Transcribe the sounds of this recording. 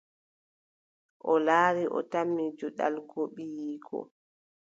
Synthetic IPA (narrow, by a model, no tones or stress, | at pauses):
ʔɔlaːɾiʔɔ̰tamːid͡ʒɔɗa̰lɡoɓijiːɡɔ̰